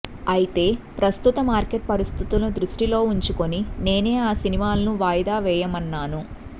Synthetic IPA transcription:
ɐjit̪e̞ːpɾɐst̪ut̪ɐmaːɾkeʈ̚pɐɾist̪ʰit̪ulɐd̪ɾuʂʈilo̞ːuɲt͡ʃuko̞nine̞ːne̞ːaːsinimaːlɐnuʋaːjɐd̪aːʋɛːjɐmɐnːaːnu

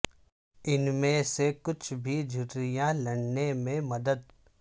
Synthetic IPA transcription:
ɪnmẽsekʊt͡ʃʰbʱid͡ʒʱʊʈɾijãlɐɽnemẽmɐd̪əd̪

